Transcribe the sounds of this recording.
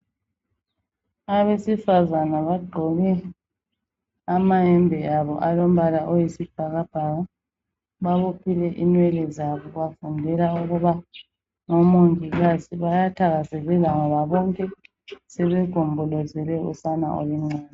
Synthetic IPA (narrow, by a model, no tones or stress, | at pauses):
aβesifazanaβaɡ͡ǃʱɔɣɛ | amaɛmbʱɛaβɔʔalom̩βalaʔojisib̥ʱaɣab̥ʱaɣa | βaβopʰilɛʔinwɛlɛzaβɔɣafundʱɛlauɣuβa | ŋɔmoŋiɣasiβajatʰaɣazɛɣɛlaŋɔβaβɔŋkʼɛ | sɛβɛɡ̥ʱombʱɔlɔzɛlɛṵsana̰ʔo̰liŋ͡ǀaːni